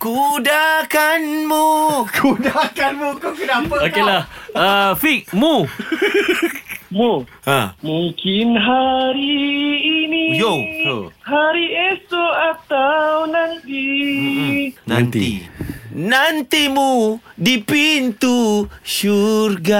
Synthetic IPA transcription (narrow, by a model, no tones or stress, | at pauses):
kudakanmukʰudakanmukokənapaokelahəfik̚mu | mu | əmuŋkɪnɦaɾiː | nijoo̰haɾiesoat̪awnant̪i | nã̰nt̪iḭ | nant̪imudipint̪uʃurɡa